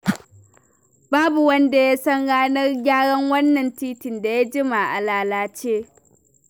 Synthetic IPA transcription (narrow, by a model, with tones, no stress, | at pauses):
baː˦bu˨wɐ˦nda˨ja˦sɐ˦nɽaː˦nɐ˦rɡʲaː˦ɽɐ˦ŋwɐ˦nːɐ˨ntiː˦tɪ˨nda˨ja˦d͡ʒɪ˦ma˨ʔa˨laː˨laː˦t͡ʃeː˦